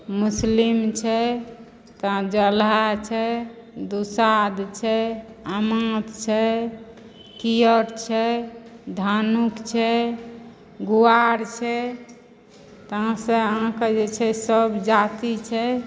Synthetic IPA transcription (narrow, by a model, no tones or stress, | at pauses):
muslimt͡ʃʰɛ | t̪ãd͡ʒəlat͡ʃʰɛ | d̪usad̪t͡ʃʰɛ | amãt̪t͡ʃʰɛ | kijəʈt͡ʃʰɛd̪ʱanukt͡ʃʰɛ | ɡuaɾt͡ʃʰɛ | t̪ɦãsẽəɦãked͡ʒet͡ʃʰɛsəbd͡ʒat̪it͡ʃʰɛ